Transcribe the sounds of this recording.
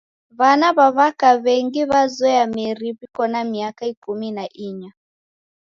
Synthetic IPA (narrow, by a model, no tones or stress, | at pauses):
βanaβaβakaβɛŋɡiβazɛamiɾiβikɔnamiakaikuminaʔiɲa